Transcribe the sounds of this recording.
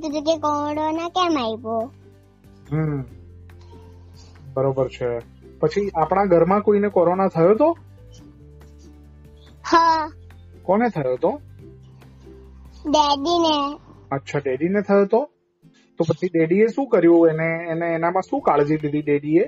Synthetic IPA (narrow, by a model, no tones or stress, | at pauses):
t̪ud͡ʒ̪uk̬ekɔ̃ɽonakɛmaipo | ɦə | bəɾobəɾt͡ʃʰe | pət͡ʃʰiapɽ̃aɡʱəɾmãkoinekɔɾonat̪ʰəjot̪o | ha | kɔnet̪ʰəjot̪o | ɖeɖine | ətːʃʰaɖeɖinet̪ʰəjot̪o | t̪opət͡ʃʰiɖeɽieʃũkəɾjũeneːneːnamãʃũkaɭd͡ʒiɖiliɖeɽie